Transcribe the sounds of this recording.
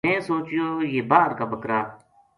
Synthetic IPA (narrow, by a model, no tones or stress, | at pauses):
ẽːsoːt͡ʃɪjoːjeːbaːɾkaːbəkɾaː